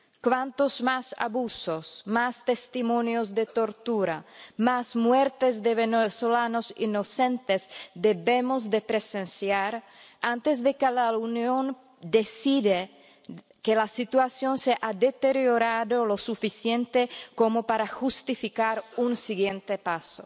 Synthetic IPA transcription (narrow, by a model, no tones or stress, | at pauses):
kwant̪ozmasa̰βusosmast̪est̪imonjozd̪et̪o̞ɾt̪uɾamasmweɾt̪ezd̪eβenesolanosinosent̪ezd̪eβemozd̪epɾesensjaɾ | ant̪ezd̪ekelaunjon | d̪esiðe | kelasit̪uasjonseʔad̪et̪eɾjoɾaðolo̞sufisjent̪ekomopaɾaxust̪ifikaɾunsiɣjent̪epaso